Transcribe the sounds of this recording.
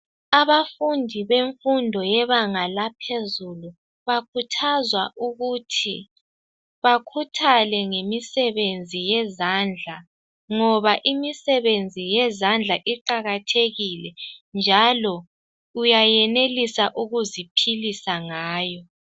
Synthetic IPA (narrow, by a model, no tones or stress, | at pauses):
aβafundʱiβeɱfundʱɔjɛβaŋalapʰezulu | βakʰutʰazwaʔuɣutʰi | βakʰutʰalɛŋemisɛβend͡zʱijɛzand͡ɮʱa | ŋɔβaʔimisɛβend͡zʱijɛzand͡ɮʱaʔiǃaɣatʰeɣilɛnd͡ʒʱalɔ | ujajɛnelisaʔuɣuzipʰilisaŋaːjɔ